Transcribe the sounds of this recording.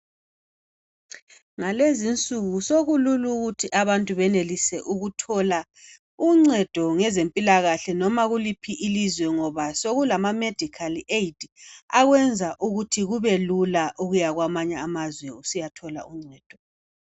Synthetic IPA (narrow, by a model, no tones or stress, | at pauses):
ŋalezint͡sʼuɣusoɣululuɣutʰiʔaβantʼuβɛnelisɛʔuɣutʰɔla | uŋ͡ǀɛd̥ʱɔŋɛzempʼilaɣaɬɛnɔmaɣulipʰiʔilizwɛŋɔβasoɣulamamed̥ʱikʰaliʔeid̥iaɣwɛnd͡zʱaʔuɣutʰiɣuβɛlulaʔuɣujaɣwamaɲaːmazwɛusijatʰɔla̰uŋ͡ǀɛːd̥ʱɔ